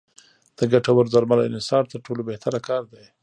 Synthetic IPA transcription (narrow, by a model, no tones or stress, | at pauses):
d̪̥əɡaʈawaɾzaɾmalaɪnɪsɑɾt̪əɾʈolobeht̪aɾakɑɾd̪aj